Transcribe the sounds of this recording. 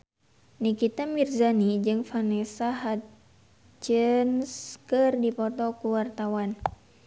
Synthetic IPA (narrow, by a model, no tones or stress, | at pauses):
nikit̪amirzanid͡ʒɨŋfanɛsaɦa | t͡ʃənskɨrdipɔt̪ɔkuwart̪awan